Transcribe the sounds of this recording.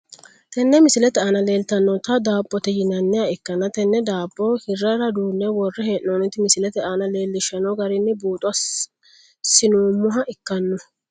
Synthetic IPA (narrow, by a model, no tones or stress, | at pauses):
t̪ɛnːɛmɪsɪlɛt̪ɛaːnɐle̞ːlt̪ɐnːɔt̪ɐd̪aːpʼːɔt̪ɛd͡ʒɪnɐnːɛjaɪkːɐnɐt̪ɛnːɛd̪aːpʼːɔhɪrːɐɾɐd̪uːnːɛwɔrːɛheːʔnonɪt̪ːɪmɪsɪlɛt̪ɛaːnɐle̞ːlːɪʃɐnɔɡɐɾɪnːɪbuːt̪ʼʊɐ | sɪnuːmːʊɦɐʔɪkːɐnːɔ